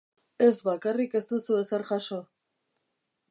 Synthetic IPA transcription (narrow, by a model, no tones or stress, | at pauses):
e̞zβakarike̞st̪usue̞seɾxaʃo̞